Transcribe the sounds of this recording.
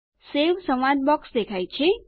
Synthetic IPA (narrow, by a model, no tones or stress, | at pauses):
seʋsəmad̪̚bɔksd̪ekʰajt͡ʃʰe